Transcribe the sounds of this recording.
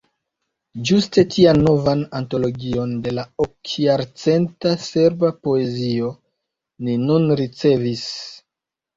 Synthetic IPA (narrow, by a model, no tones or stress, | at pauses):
d͡ʒuste̞tʰianːo̞vananto̞lo̞ɡio̞nde̞laokjaɾt͡se̞ntase̞ɾbapo̞e̞zio̞ | ninunɾit͡se̞vis